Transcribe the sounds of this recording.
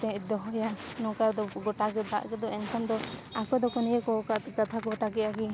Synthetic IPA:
t̪ɛd̪ɔɦɔjanɔ̃kad̪ɔɡɔtaɡɛd̪a̰ʔɡɛd̪ɔɛnkʰamd̪ɔakɔd̪ɔkɔnijɛkɔkakat̪ʰaɡɔʈaɡɛaɡi

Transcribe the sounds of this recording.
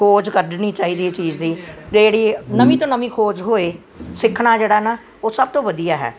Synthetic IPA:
kʰoːd͡ʒkəɾɖniːt͡ʃaːiːd̪iːt͡ʃiːd͡ʒd̪iːd͡ʒeːɽiːnəmĩːt̪õːnəmĩːkʰoːd͡ʒɦoːeː | sɪkʰɽ̃aːd͡ʒeːɽaːnaː | oːsəb̚t̪õːʋəd̪ijaːɦɛ̰ː

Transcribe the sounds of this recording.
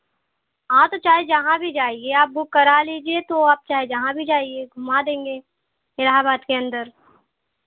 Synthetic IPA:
ɦãt̪ot͡ʃaːɦed͡ʒɐɦãbʱid͡ʒaːieaːp̚bʊkːɐɾaliːd͡ʒiet̪oaːp̚t͡ʃaːɦed͡ʒɐɦãbʱid͡ʒaːieɡʱʊmad̪ẽːŋɡeː | ɪlaɦabaːd̪keɐ̃nd̪əɾ

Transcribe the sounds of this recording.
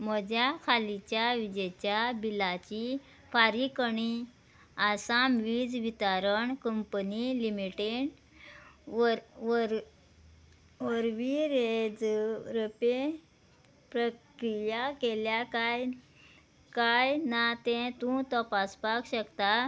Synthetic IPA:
m̤əd͡ʑjakʰalit͡ɕjaʋid͡ʑet͡ɕjabilat͡ɕi | faɾikəɳi | asamʋid͡zʋit̪aɾəɳkəmpənilimiʈeɳ | ɾ | ʋəɾʋiɾed͡zɾəpe | pɾəkɾijakeljakaj | kajnat̪ɛ̃t̪ũt̪əpaspakɕəkt̪a

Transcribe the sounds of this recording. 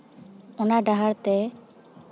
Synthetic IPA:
ɔnaɖaɦaɾt̪ɛ

